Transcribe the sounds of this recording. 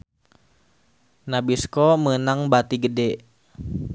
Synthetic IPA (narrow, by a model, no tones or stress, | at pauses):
nabiskɔmənaŋbat̪iɡədɛ